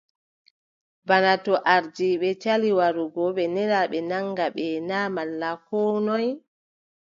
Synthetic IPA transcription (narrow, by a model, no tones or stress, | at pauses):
banatɔʔaɾd͡ʒiɓɛt͡ʃaliwaɾuɡɔɓɛnɛɾaɓɛnaŋɡaɓɛnaːmalːakɔːnɔj